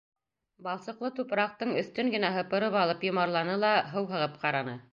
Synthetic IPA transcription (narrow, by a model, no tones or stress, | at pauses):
bɑlˠsɤ̆qlˠɤt̪upɾɑq̚t̪ɤɴɵ̆θt̪ɵŋɡɘ̆næɦɤ̆pɤ̆ɾɤpɑlˠɤpjŏmɑɾlˠɑnɤlˠɑɦɤwɦɤ̆ʁɤp̚qɑɾɑnɤ